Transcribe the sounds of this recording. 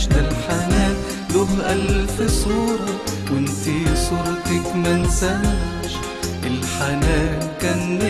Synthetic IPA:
alħanæː | luʔalfɪsˤuːɾkʊnt̪isˤuɾt̪ɪkmɪnsa | ʃ | ʔɪlħanæ | kænː

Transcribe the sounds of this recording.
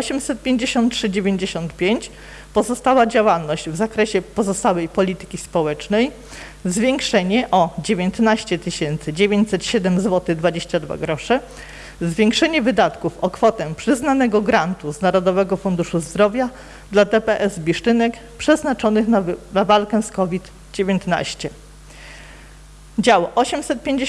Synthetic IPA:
ɔɕɛmsɛt̪̚pʲjeɲd͡ʑeɕɔnt̪̚tʂɘd͡ʑevʲeɲd͡ʑeɕɔnt̪pʲjeɲt͡ɕ | pɔzɔst̪awad͡ʑawalnɔʑd͡ʑvzakɾɛɕɛpɔzɔst̪awɛjpɔlʲit̪ɘ̥kʲispɔwɛt͡ʂnɛj | zvʲjeŋkʂɛɲɛʔɔd͡ʑevʲjent̪naɕt͡ɕɛt̪ɘɕɛnt̪sɘd͡ʑevʲjeɲt͡ɕsɛt̪ɕɛd̪ɛmzwɔt̪ɘɣd̪vad͡ʑeɕt͡ɕad̪va̰ɡɾɔʂɛ | zvʲjeŋkʂɛɲɛvɘd̪at̪kufɔkfɔt̪ɛpʂɘznanɛɡɔɡɾant̪uznaɾɔd̪ɔvɛɡɔfund̪uʂuzd̪ɾɔvʲja | d̪lad̪ɛpɛʔɛzbʲiʂt͡ʂɘnɛk | pʂɛznat͡ʂɔnɘxnnavalkɛskɔvʲit̪ | d͡ʑevjent̪na̰ɕt͡ɕɛ | d͡ʑawʔɔɕɛmsɛt̪̚pʲjeɲd͡ʑe

